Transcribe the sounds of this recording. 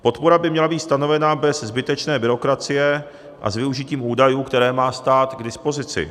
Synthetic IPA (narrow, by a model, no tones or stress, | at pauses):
po̞t̪poɾabɪmɲɛlabiːt̪st̪ano̞vɛnabɛszbɪt̪ɛt͡ʃnɛːbɪɾo̞kɾat͡sɪjɛ | ʔa̰zvɪuʒɪciːmuːdajuːkt̪ɛɾɛːmaːst̪aːt̪ɡdɪspo̞zɪt͡sɪ̰